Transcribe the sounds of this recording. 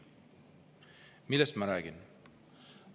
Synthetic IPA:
milɐsmaɾaːɡɪn

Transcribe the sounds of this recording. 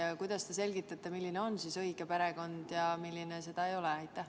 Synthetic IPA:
ɑkujd̪̥ɑst̪e̞se̞lʲɡ̥it̪ːˑɑt̪ˑːemilʲːineo̞nsisɤiɡ̥e̞peɾe̞ɡo̞nd̪̥jɑmilʲːinese̞d̪̥ɑejo̞leɑjt̪ːˑæh

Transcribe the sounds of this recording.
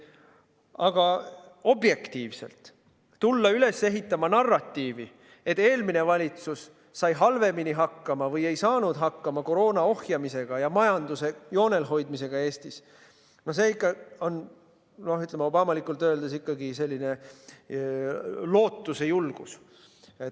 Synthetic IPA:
ɑɡ̥ɑo̞bje̞kt̪iːvse̞̰lt̪ | t̪ulːɑyle̞se̞ɦit̪ːˑɑmɑnɑrːɑt̪ːiːvi | e̞t̪ːˑe̞ːlmine̞vɑlʲit̪susː | ɑjɦɑlve̞miniɦɑkːɑmɑvɤjejsɑːnud̪̥ɦɑkːɑmɑko̞ɾo̞ːnɑo̞hjɑmise̞ɡ̥ɑjɑmɑjɑnd̪use̞jo̞ːne̞lɦo̞jd̪̚mise̞ɡ̥ɑe̞ːst̪is | no̞hse̞ːikːˑɑo̞n | no̞hyt̪ːˑlemeo̞bɑmɑlikːˑult̪ːˑøːld̪esikːɑɡise̞lʲːine̞ | lo̞ːt̪ːuse̞julɡ̥us | et̪

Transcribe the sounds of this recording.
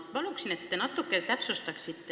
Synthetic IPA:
pɑluksinet̪ːenɑt̪ːˑukːˑet̪æpsust̪ɑksit̪ː

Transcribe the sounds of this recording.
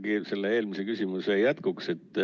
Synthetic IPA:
ɡ̥ise̞lːee̞ːlmisekysʲimusejæt̪kukse̞t̪ːˑ

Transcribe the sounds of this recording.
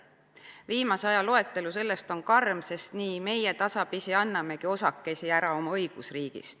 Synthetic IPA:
viːmɑseɑjɑlo̞e̞t̪ˑːe̞luse̞lːe̞st̪o̞nkɑrmse̞st̪niːme̞jet̪ɑsɑpisiɑnːɑme̞kio̞sɑkːe̞siæɾɑo̞mɑɤjɡ̥usriːɡ̥ḭst̪

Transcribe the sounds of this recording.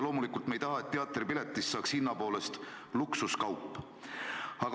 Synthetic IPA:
lo̞ːmulikˑult̪me̞jt̪ɑɦɑe̞t̪ːeɑt̪ːˑripilet̪ːˑisːɑːkshinːɑpo̞ːle̞st̪ | luksuskɑwpːˑ | ɑɡ

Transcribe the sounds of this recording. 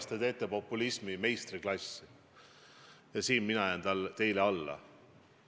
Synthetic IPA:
st̪et̪e̞ːt̪ːˑepo̞pːˑulismime̞jst̪riklɑsːi | jɑsiːnminɑɑjɑnt̪ɑlt̪e̞jleɑlːɑ̰

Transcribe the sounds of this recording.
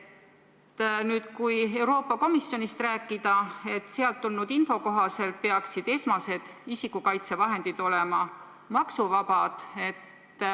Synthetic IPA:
t̪ːnyːd̪̥kuje̞wɾo̞ːpːˑɑko̞misːjo̞nist̪ræːkːˑid̪̥ɑe̞t̪ːˑseɑlt̪ːulnud̪̥info̞ko̞ɦɑse̞lt̪̚pe̞ɑksid̪̥e̞smɑse̞d̪̥isikukɑjt̪se̞vɑɦe̞nd̪̥id̪̥o̞lemɑ | mɑksuvɑbɑd̪̥e̞t̪ː

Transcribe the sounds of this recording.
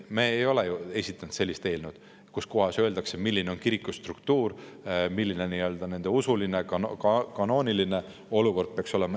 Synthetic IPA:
meːjo̞lejue̞sʲit̪ːˑɑnd̪se̞lːist̪e̞ːlnud̪̥ | kuskoɦɑsøld̪ɑksemilːine̞o̞nkiɾikːˑust̪rukt̪uːɾmilːineniø̞ld̪̥ɑne̞nd̪̥e̞usuline̞kɑkɑno̞ːniline̞ | o̞luko̞rd̪̚peɑkso̞lemɑ

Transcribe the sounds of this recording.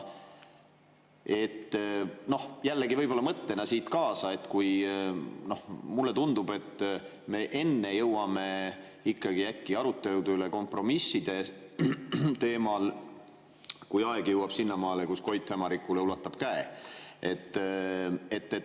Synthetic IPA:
e̞t̪ːno̞hjælːeɡivɤjb̥o̞lːɑmɤt̪ːe̞nɑsiːt̪kɑːsɑe̞t̪ːkuj | no̞hmulːe̞t̪und̪ube̞t̪ː | me̞ːʔe̞nːe̞jɤwɑme̞ | ikːɑɡ̥iækːiɑɾut̪ːˑe̞lud̪yleko̞mpˑro̞misːid̪̥e̞ | t̪e̞ːmɑl | kujɑeɡ̥jɤwɑb̥sinːɑmɑːlekusko̞jt̪hemɑɾikːˑuleulɑt̪ːˑɑb̥kæeʔe̞t̪ːˑ | e̞t̪ːe

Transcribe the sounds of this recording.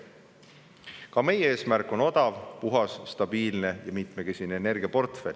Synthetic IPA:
kɑme̞jee̞ːsmærkˑo̞no̞d̪̥ɑvpuɦɑsːt̪ɑb̥iːlne̞jɑmit̪me̞ke̞sineːne̞rɡ̥iɑpo̞rt̪fe̞lʲ

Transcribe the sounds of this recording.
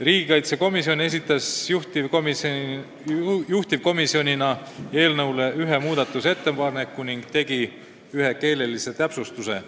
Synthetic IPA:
riːɡ̥ikɑjt̪seko̞misione̞sit̪ːˑɑsuht̪ivm | juht̪ivko̞misio̞nʲinɑ | e̞ːlnɤwle̞ʔyɦe̞muːd̪̥ɑt̪ːˑuse̞t̪ːe̞pɑrne̞kːˑuniŋɡ̥̚t̪e̞ɡi | yɦe̞ke̞ːle̞lise̞t̪æpsust̪use̞

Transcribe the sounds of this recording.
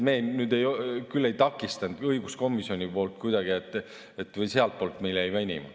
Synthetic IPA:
me̞ːnyːd̪e̞jokylːe̞jt̪ɑkːˑist̪ɑnd̪̥ɤjɡ̥usko̞mːˑisio̞nʲipo̞ːlt̪̚kujd̪̥ɑɡ̥iet̪ːˑ | et̪ːˑvɤjseɑlt̪̚poːlt̪me̞jlejmænʲḭmɑ̰

